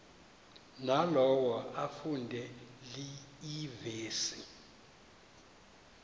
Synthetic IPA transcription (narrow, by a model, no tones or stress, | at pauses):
nalɔwaʔafundʱɛliiveːsi